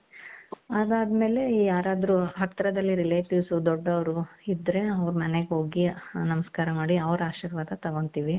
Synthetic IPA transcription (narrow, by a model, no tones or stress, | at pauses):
ɐd̪aːd̪me̞ːle̞iːjaːɾaːd̪ɾuɦɐt̪ːɾɐd̪ɐlːiɾileːʈjiːsud̪ɔɖːɐʋɐɾuid̪ɾe̞ɐʋɾumɐneɡɦo̞ːɡinɐmɐskaːɾɐmaːɽiɐʋɾaːʃiːɾʋaːd̪ɐt̪ɐɡont̪iːʋi